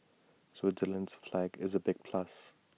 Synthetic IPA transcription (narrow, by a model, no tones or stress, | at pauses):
swɪzələ̃nz̥flæɡɪ̰zəbɪɡ̥̚pʰl̥as